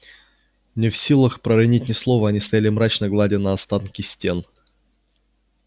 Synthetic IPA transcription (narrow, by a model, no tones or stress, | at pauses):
nʲɪfsʲilˠəxpɾəɾɐnʲitʲnʲɪslˠovəɐnʲist̪ɐjalʲɪmɾat͡ɕnəɡlˠadʲɪnɐɐst̪ankʲɪsʲtʲe̞n